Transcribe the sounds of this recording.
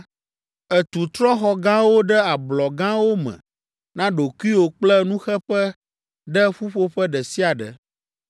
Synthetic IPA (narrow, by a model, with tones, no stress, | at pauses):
ɛ˨t̪u˨t̪ɾɔ˦xɔ˨ɡã˦wo˦ɖə˦a˨blɔ˨ɡã˦wo˦mɛ̰̃˨ | nã˦ɖo˨ku˦i˦wo˨k͡plə˦nũ˦xɛ˦ɸə˦ | ɖə˦ɸu˦ɸo˦ɸə˦ɖə˨si˦a˨ɖə̰˨